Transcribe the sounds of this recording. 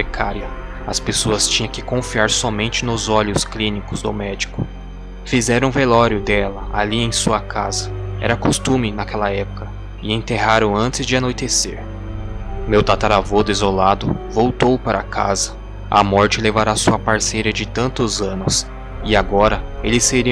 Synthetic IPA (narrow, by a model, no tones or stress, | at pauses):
ɾekʰaɾiɐ | ɐspesoɐst͡ʃĩɲɐ̃kɪkõfiaɾsɔmẽnt͡ʃɪnʊzɔʎʊsklĩnikʊzd̪ʊ̰mɛd͡ʒikʊ | fizɛɾɐ̃w̃velɔɾjʊd̪ɛlɐaliẽj̃suɐkʰazɐɛ̰ɾɐkost̪ũmɪnakɛlɐɛpʊ̥kɐ | ɪẽt̪eɦaɾɐ̃ʊ̃w̃ɐ̃nt͡ʃɪzd͡ʒɪanojt̪esḛɾ | mewt̪at̪aɾavod̪ʊizolad̪ʊvowt̪owpaɾʔɐkʰa̰zɐ | ɐ̰mɔɾt͡ʃɪlevaɾasuɐpaɾsejɾɐd͡ʒɪt̪ɐ̃nt̪ʊzɐ̃nʊs | ɪaɡɔɾɐelɪseɾi